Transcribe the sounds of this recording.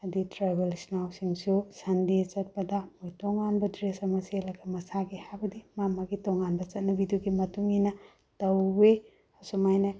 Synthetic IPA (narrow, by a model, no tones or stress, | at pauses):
ɐditɾabelisnawsiŋsusɐndit͡ʃɐt̚pɐdɐmojtoŋanbɐdɾesɐmɐselɐɡɐmɐsaɡihabɐdimamɐɡitoŋanbɐt͡ʃɐt̚nɐbiduɡimɐtuŋinɐ | tɐwːe | ɐsomajna